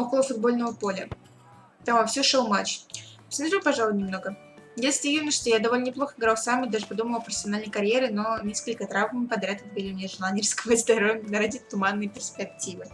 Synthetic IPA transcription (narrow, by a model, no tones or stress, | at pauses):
okəlˠəfʊd̪̚bo̞lʲnəvəpo̞lʲə | t̪aɐfsʲuʂolˠmat͡ɕsmɐt̪ɾʲipɐʐalˠʊjnʲɪmno̞ɡə | jasʲlʲɪjinəʂt̪ojad̪ɐvolʲnənʲɪplˠo̞xəɪɡɾalˠsamʲːɪt̪̚d̪aʐɨpɐd̪uməlˠɐpɾəfʲɪsʲɐnalʲnəjkɐɾʲjeɾɪno̞nʲeskəlʲkət̪ɾavmpɐd̪ɾʲat̪ət̪bɨlʲɪmnʲeʐɨlˠanʲɪrskəvəzd̪ɐɾovʲnəɾadʲɪt̪ʊmanːɨjəpʲɪrspʲɪk̚tʲivɨ